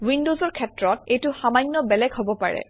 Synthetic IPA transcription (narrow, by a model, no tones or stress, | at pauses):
windozɔɹkʰɛtɹɔtejtʊxamajŋːɔbɛlɛɡɦobɔpaɹɛ̰